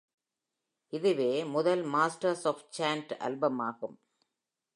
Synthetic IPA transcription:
ʔɪðɯʋeːmʊðɐlmaːsʈɐɾsɔːft͡ʃaːnʈʔɐ̰lbɐmaːɣɯm

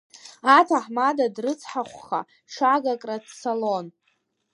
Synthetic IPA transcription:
atʰaħmadadrɨt͡sʰħaχʷχa̰ | ʂaɡakʼradsolon

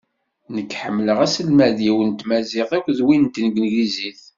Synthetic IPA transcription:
nəkːħə̰mːləʁæsəlmæðjiwənt̪mæzɪθækʷːðwint̪nəɡnɡiziθ

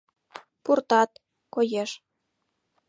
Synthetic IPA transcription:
purt̪ɑt̪̚ | kojeʃ

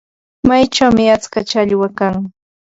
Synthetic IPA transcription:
majt͡ʃawmɪat͡skat͡ʃaʎwakaŋ

